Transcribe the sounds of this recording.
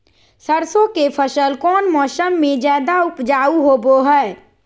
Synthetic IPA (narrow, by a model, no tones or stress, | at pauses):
səɾsõkepʰəsəlkɔːnmɔːsəmːẽd͡ʒjaːd̪aʊpd͡ʒaːuɦoːboɦɛː